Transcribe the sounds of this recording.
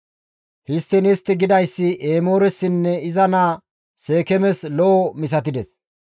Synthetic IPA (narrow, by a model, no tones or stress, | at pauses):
hɪst̪ːɪnɪst̪ːɪɡɪd̪ɐjsːɪʔeːmo̞ːɾɛsːɪnːɛɪzɐnaː | se̞ːkɛmɛslɔɔmɪs̬ɐt̪̬ɪd̪ɛs